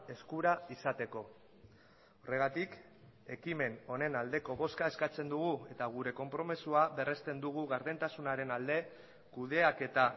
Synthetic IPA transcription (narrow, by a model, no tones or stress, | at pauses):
e̞skuɾaisat̪e̞ko̞ | ore̞ɣ̞at̪ik | e̞kime̞no̞ne̞nald̪e̞ko̞βo̞skae̞skat͡se̞nd̪uɣ̞ue̞t̪aɣ̞uɾe̞ko̞mpɾo̞mesuaβe̞re̞st̪e̞nd̪uɣ̞uɣaɾðent̪asunaɾe̞nald̪e̞ | kuð̞e̞ake̞t̪a